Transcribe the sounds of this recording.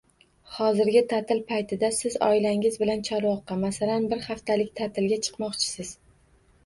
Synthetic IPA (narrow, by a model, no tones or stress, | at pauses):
χɒzɪɾɡʲɪt̪ʰat̪ʰɪlpʰajt̪ʰɪd̪asɪzɒ̰ɪlaŋʲɪzbɪlant͡ʃʰaɾwɒqːɑmasalanbɪɾχaft̪ʰalɪkʲt̪ʰat̪ʰɪlɡʲat͡ʃʰɨ̥qmɒqt͡ʃʰɪ̥sɪz̥